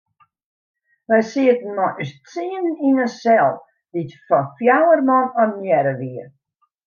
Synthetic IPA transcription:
ʋɛjsiətən̩mɔʔystt͡siənninəsɛlˠ | ditfɔnfjawərmɔnɔmjɛɾəʋiər

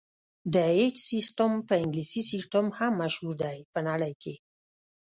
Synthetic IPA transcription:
d̪əed͡ʒsisʈəmpəɪŋɡlisisisʈəmhamːaʃhuɾd̪ajpənaɽəjkʰe

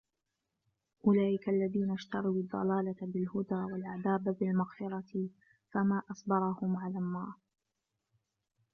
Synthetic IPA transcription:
ʔʊlaːʔɪkaʔlːaðiːnaʃt̪ɑɾˤuwːd̪ˤːɑ̰laːlabɪlhʊd̪aːwalʔad̪aːbbɪlmaɣfɪɾˤɑt̪ɪ | famaːʔɑsˤbɑɾˤɑhʊmʕalaːnːɑːɾˤ

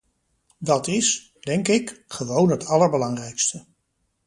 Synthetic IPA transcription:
dɑtɪs | d̥ɛŋkɪkχəʋownɦətɑləɹbəlɑŋrɛjkstə

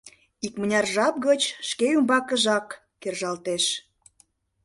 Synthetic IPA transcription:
ikmənʲɑrʒɑp̚ɣət͡ɕʃkeumbɑkə̆ʒɑkː | erʒɑlt̪eʃ

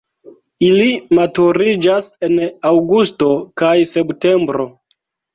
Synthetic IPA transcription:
ilimatuɾid͡ʒase̞nawɡusto̞kajse̞pte̞mbɾo̞

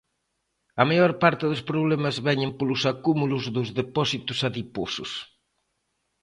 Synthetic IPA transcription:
ɐmajɔɾpaɾt̪ɪðʊspɾoβlɛmɐzβɛɲempolʊsakumulʊzðʊzðepɔsit̪ʊsaðiposʊs

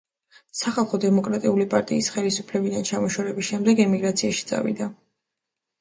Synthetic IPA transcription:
saχalˠχɔd̪ɛmɔkʼɾat̪ʼiulipʼaɾt̪ʼiːsχɛlisupʰlɛbid̪ant͡ʃʰamɔʃɛɾɛbisʃɛmd̪ɛɡɛmiɡɾat̪sʰiaʃi̥t̪sʼa̰vḭd̪a

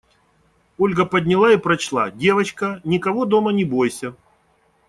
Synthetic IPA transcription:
olʲɡəpɐdʲnʲɪlˠaipɾɐt͡ɕlˠa̰dʲe̞vɐt͡ɕkɐnʲɪkɐvod̪omɐnʲɪbo̞jsʲɐ

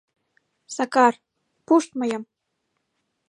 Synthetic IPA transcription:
sɑkɑr | puʃt̪̚mɤ̆jɤ̆m

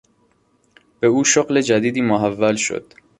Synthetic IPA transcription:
b̥euːʃoɢle̞d͡ʒæd̪iːd̪iːmoɦævːælʃo̰d̪̥

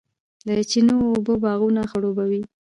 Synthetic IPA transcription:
d̪ət͡ʃinoːbəbɑɣunaxəɽobawi

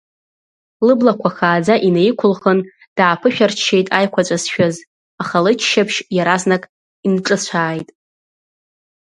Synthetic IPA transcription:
lɨblakʷʰaχaːd͡zaʔinejkʷʰʊlχən | d̥aːpʰɨʃᶣart͡ʃʰe̞jtʼajkʷʰat͡ʃʷʼasʃᶣaz | aχalɨt͡ʃʰʃapʰʃjaɾaznakʼ | inʈ͡ʂʼɨt͡ɕʷʰaːjtʼ

